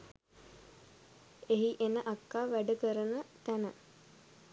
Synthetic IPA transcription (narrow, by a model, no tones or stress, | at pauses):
eɦiʔenəʔakːaːʋæɖəkəɾənət̪ænə